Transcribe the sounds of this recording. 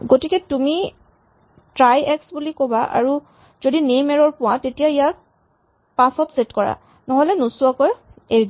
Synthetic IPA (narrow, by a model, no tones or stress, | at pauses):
ɡotikɛtumi | tɹajɛksbulikobaʔa̰ɹu | z̥odinejmɛɹɔɹpʊwatetijaijaɹ | pãsɔtsetkɔɹa̰ | nɔɦɔlɛnusuakɔjeɹdi